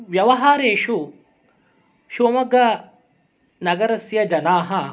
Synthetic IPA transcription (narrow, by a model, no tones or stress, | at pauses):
ʋjɐʋɐɦaːɾeːʂu | ʃuɐmɐɡɐ | nɐɡɐɾɐsjɐd͡ʒɐnaːɦɐ